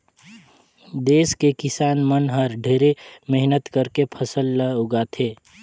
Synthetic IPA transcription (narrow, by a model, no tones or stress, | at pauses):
d̪eːskekɪsaːnmənɦəɾɖʱeːɾemɛɦnət̪kəɾkepʰəsəlːəʊɡat̪ʰeː